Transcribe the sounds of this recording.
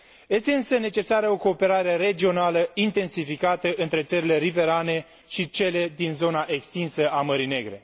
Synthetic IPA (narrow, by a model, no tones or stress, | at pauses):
je̞st̪e̞ɨnsəne̞t͡ʃe̞saɾəo̞ko̞ːpe̞ɾaɾe̞ɾe̞d͡ʒio̞naləint̪e̞nsifikat̪əʔɨnt̪ɾe̞t̪səɾile̞ɾive̞ɾane̞ | ʃit͡ʃe̞le̞d̪inzo̞naʔe̞kst̪insəʔaməɾine̞ɡɾe̞̰